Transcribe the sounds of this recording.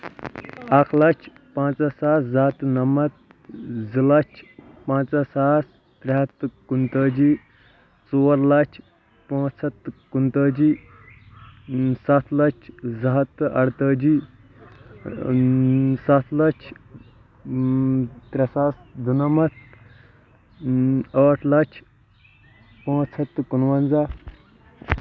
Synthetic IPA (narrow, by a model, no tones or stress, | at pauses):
ɐkʰlɐt͡ʃʰ | pãːt͡sɐsaːszɐɦt̪nɐmɐt̪̚ | zilɐt͡ʃʰ | pãːt͡sɐsaːs | t̪ɾʲɐɦɐt̪kunt̪əːd͡ʒi | t͡soːɾlɐt͡ʃʰ | pãːsɐt̪kunt̪əːd͡ʒi | sɐt̪ʰlɐt͡ʃʰzɐɦɐt̪ɐɽt̪əːd͡ʒi | sɐt̪ʰlɐt͡ʃʰ | t̪ɾʲɐsaːsd̪ʱunɐmɐt̪̚ʰ | əːʈʰlɐkt͡ʃʰ | pãːt͡sʰɐt̪ːkunʋɐnza